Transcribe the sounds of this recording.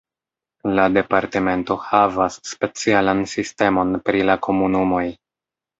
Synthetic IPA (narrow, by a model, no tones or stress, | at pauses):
lade̞paɾte̞me̞nto̞havasːpe̞t͡sialansiste̞mo̞npɾilakʰo̞munumo̞j